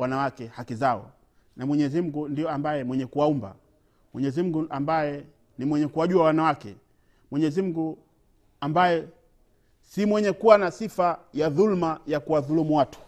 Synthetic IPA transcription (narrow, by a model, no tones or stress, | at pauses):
wanawakɛhakizaɔ̰ | namwɛɲɛzim̩ɡundijɔambajɛmwɛɲɛkuwaumba̰ | mwɛɲɛzim̩ɡuʔambajɛ | nimwɛɲɛkuwauawanawakɛ̰ | mwɛɲɛzim̩ɡu | ambajɛ | simwɛɲɛkuwanasifajaðulmajakuwaðulumuwatu̥